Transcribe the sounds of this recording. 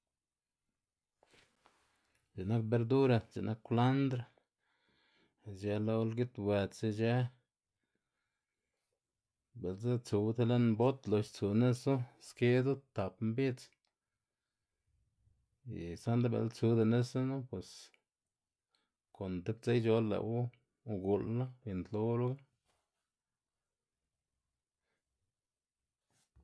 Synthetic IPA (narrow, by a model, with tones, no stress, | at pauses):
d͡ʒe˨na˦k̚be˧ɾd̪u˦ɾa˧t͡ʃḛ˨na˦kːla˦nd̪ɾa˧ | d͡ʒe˧lo˧lɡi˦t̪we˧t͡se˧d͡ʒe˧˦ | be˨lza˦t͡su˧wd̪e˦le˦nbo˦t̪lo˧ʃt͡su˧ne˦su˦ske˦d̪u˦t̪a˨pmbi˦t͡s | ḭ˨sa˦nd̪a˦bḛ˨lt͡su˧d̪e˧ne˦sa˦nu˦pwe˨s | ko˨nt̪e˦b̚t͡se˦jd͡ʒo˧lːḛ˨wu˦˧ | ɡu˨lla˦i˧nt̪lo˦ɾu˦a˦